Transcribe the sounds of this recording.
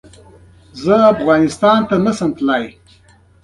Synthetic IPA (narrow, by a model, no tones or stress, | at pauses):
zəafɣɑnɪst̪ɑnt̪anəsəmt̪laj